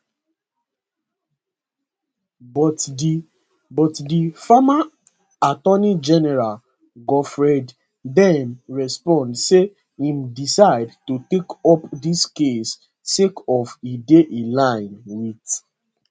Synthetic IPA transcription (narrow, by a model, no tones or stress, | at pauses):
bɔtdi | bɔtdifama | atɔnid͡ʒɛnɛɹal | ɡɔfɹɛd | dɛ̃mɹɛspɔ̃ndse | ĩmdisaɪdtutekɔpdiskesː | ekɔfideʔelãɪ̃nwit